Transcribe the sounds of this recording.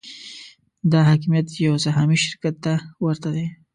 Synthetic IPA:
d̪ɑɦɑkimijat̪jawsaɦɑmiʃɪɾkat̪ːawəɾt̪ad̪e

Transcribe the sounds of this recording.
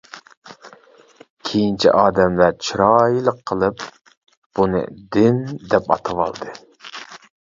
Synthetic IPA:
kʲʰejint͡ʃʰḭʔɑːd̪ɛmlæɾt͡ʃʰiɾɑjilˠəqʰːəlˠɨp | b̥unɨ̰d̪ɪnd̪ɛpɑ̰t̪ʰɨwɑ̰lˠd̪ɨ

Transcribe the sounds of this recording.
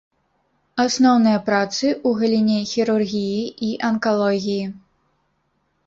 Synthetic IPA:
asnɔwnɨjɐpɾat̪sɨʔuɣɐlʲinʲɛxʲiɾurɣʲijiʔiʔɐnkalˠɔɣʲiji

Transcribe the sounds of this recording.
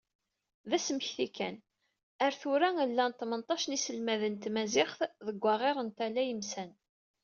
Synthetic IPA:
ðæsəməçθikːæ̰n | əɾθʊɾæŋəlːænt̪ˤːmənt̪ˤːɑʃənisəlmæðənt̪mæzɪχθðəɡʷːɑʁeɾˤənt̪ælːæjəmsæn

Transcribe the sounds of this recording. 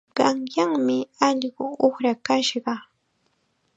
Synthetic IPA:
ɢɑŋjaŋmɪɑʎɢʊoχɾakaʃɢɑ

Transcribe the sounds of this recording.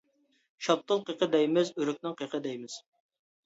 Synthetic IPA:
ʃɑp̚t̪ʰːɨlˠqəqʰəd̪ɛjmɪzyɾyk̚ʲnɪŋqʰəqʰəd̪ɛjmɪz̥

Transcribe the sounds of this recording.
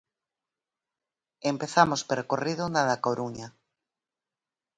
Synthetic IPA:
empeθamospeɾkorið̞onaðakoɾuɲa

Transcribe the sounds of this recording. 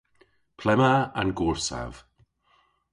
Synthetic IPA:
pʰlɛmaanɡuːɹsa̰v̥

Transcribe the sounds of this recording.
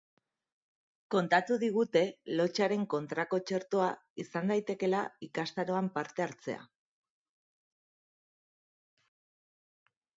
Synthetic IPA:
ko̞nt̪at̪uðiɣ̞ut̪e̞lo̞t͡ʃaɾe̞ŋko̞nt̪ɾako̞t͡ʃe̞ɾt̪oaisand̪ajt̪e̞ke̞laikast̪aɾo̞ampaɾt̪e̞aɾt͡se̞̰a̰

